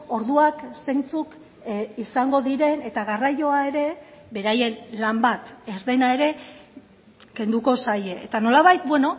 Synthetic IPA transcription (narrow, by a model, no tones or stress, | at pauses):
o̞ɾðuakse̞nt͡suk | isaŋɡo̞ðiɾe̞ne̞t̪aɣarajo̞ae̞ɾe̞βe̞ɾaje̞nlambat̪ezðe̞nae̞ɾe̞ | ke̞nd̪uko̞saje̞et̪ano̞laβ̞ajt̪̚bweno̞